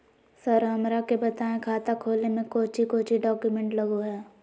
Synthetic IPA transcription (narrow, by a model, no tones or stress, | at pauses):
sɐɾɦɐmɾakebɐt̪aːẽkʰaːt̪akʰoːlnemẽkoːt͡ʃikoːt͡ʃiɖɔːkjumɛ̃ɳʈlɐɡoɦɛː